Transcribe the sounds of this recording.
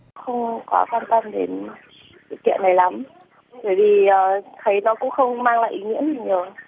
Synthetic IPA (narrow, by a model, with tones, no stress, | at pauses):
xə˧wŋ͡mkɔ˨˦kwaː˧nt̪ə˧mɗe˨˦n | sɨ̰˧˨kḭ˧˨ənːa˨˩jla˨˦m | təː˨˩jvi˨˩ʔəː˨˩t̪ʰə˨˦jnɔ˨˦kʊ̰˧˥ŋ͡mxə˧wŋ͡mmaː˧ŋla̰ː˧˨ʔi˨˦ŋḭ˧˥ənha˨˩ŋɲ˨˩ə˩